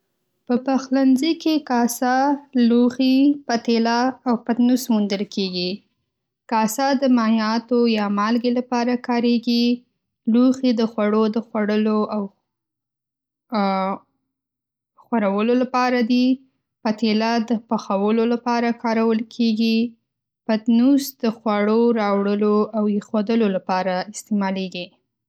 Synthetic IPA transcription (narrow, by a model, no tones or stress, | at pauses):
pəpaxlanzikekɑsɑluxipat̪elaːwpat̪nusmund̪əlkʰeɡi | kɑsɑd̪əmɑhɑt̪ojɑmɑlɡelapɑɾakɑɾeɡi | luxid̪əxwaɽod̪əxwaɽəloaw | xwaɾawəlolapɑɾad̪i | pat̪elad̪əpaxawəlolapɑɾakʰɑɾawəlkʰeɡi | pat̪nusd̪əxwaɽoɾɑwɽəloawexwod̪əlolapɑɾaɪst̪emɑleɡi